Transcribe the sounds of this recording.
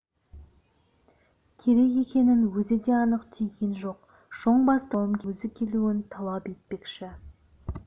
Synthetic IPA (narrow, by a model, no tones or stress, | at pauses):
kʲʰe̞ɾe̞ke̞kʲe̞nɪnwɵzɪd̪e̞ɑnəqt̪ʰejɡʲe̞nʒo̞q | ʒ̥o̞ɴbɑst̪əlˠəmkʲɵzɪkʲʰe̞luɪnt̪ʰɑlˠɑpe̞t̪̚pe̞kʃɪ